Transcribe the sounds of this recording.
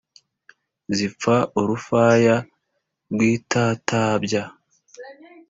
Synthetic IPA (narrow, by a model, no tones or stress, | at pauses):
zip͡faoɾufaːja | ɾɡwiːtʰaːtʰaːbɟa